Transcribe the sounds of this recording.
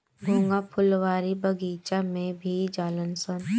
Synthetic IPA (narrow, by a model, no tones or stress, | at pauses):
bʱõːŋɡapʰʊlʋaːɾibʱəɡiːt͡ʃamẽbʱid͡ʒaːlənsən